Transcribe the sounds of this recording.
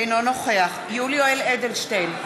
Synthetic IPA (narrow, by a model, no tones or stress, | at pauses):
jnɔnɔχweaχjuliɔjlˠɛdɪlʃtejn